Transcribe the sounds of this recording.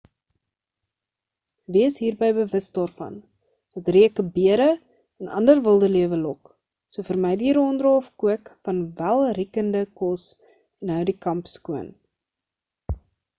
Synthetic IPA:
viəsɦiːrbəjbəvəsdɑːrfɐ̰n | dətriəkəbiəɾə | ənɐ̰ndərvəlˠdəliəvəlɔk | suəfərmɛjdiɾɔndrɑːfkuəkfɐnvælˠrikəndəkɔs | ɛnɦœwdikɐmpskuən

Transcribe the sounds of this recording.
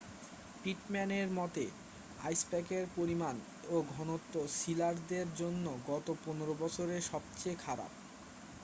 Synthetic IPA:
piʈmɛneɾmɔt̪e | a̰jspɛkeɾpoɾiman | oɡʱɔnot̪ːoʃilaɾd̪eɾd͡ʑonːoɡɔt̪oponeɾobɔt͡ɕʰoɾeʃɔb̚t͡ɕekʰaɾa̰p̚

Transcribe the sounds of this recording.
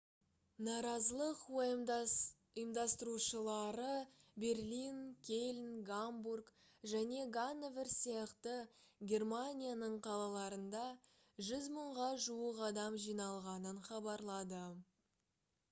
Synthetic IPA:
nɑɾɑzəlˠəqwo | əjəmd̪ɑst̪əɾuʃəlˠɑɾəbe̞rlinkʲʰelʲnɡamburk | ʒæne̞ɡanːeveɾsijɑqt̪əɡʲe̞rmanʲijanəɴqʰɑlˠɑlˠɑɾənd̪ɑ | ʒʏzməɴʁɑʒuwəqɑd̪ɑmʒijnɑlˠʁɑnənχɑbɑɾlˠɑd̪ə

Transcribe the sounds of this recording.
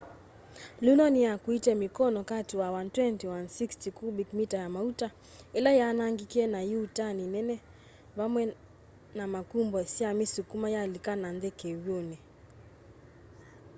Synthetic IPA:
lunɔnijakuitɛmikɔnɔkatiwawantwɛntiwansikstikubikmitajamauta | ɛlajanaŋɡikɛnajiutaninɛnɛ | βamwɛ | namakumbɔsiamisukumajalikananðɛkɛwjɔnɛ

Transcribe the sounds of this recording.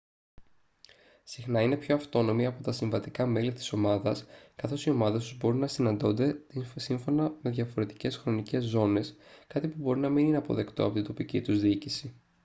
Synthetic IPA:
sixnɐine̞pço̞ɐft̪o̞no̞miɐpo̞t̪ɐsiɱvɐt̪ikɐme̞lit̪i̥so̞mɐðɐskɐθo̞sio̞mɐðest̪uzbo̞ɾinɐsinɐnd̪o̞nd̪e̞t̪siɱfo̞nɐme̞ðʝɐfo̞ɾe̞t̪i̥ce̞sxɾo̞nice̞zːo̞ne̞skɐt̪ipubo̞ɾinɐminine̞ɐpo̞̰ðe̞kt̪o̞ɐpot̪ind̪opicit̪uzðiicisi

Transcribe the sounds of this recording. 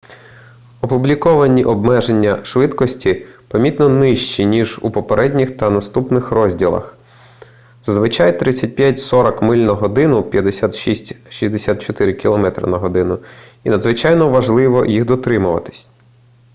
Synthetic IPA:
ɔpublʲikɔʋɐnʲiʔɔbmɛʒenʲːɐʃʋɪt̪kɔsʲtʲipɐmʲit̪nɔnɪʃt͡ʃinʲiʒupɔpeɾɛdʲnʲixt̪ɐnɐst̪upnɪxɾɔzʲdʲilˠɐ̰x | z̥ɐzʋɪt͡ʃajt̪ɾɪt͡sʲːɐt̚ʲpʲjatʲsɔɾɐkmɪlʲnɐɦɔd̪ɪnʊpʲjɐd̪esʲat̪ʃisʲtʲʃizʲd̪esʲat̪̚t͡ʃɔt̪ɪɾɪkʲilˠɔmɛt̪ɾɐ̰nɐɦɔd̪ɪnʊ | inɐd̪zʋɪt͡ʃajnɔʋɐʒlˠɪʋɔjiɣd̪ɔt̪ɾɪmʊʋɐ̰t̪ɪ̥sʲ

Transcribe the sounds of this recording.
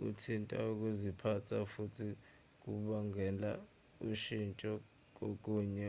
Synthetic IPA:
ṵtʰintʼa̰uk̬uzipʰatʰafutʰi | k̬uɓaŋɛla | uʃint͡ʃʼɔ | k̬ok̬ʼuːɲɛ

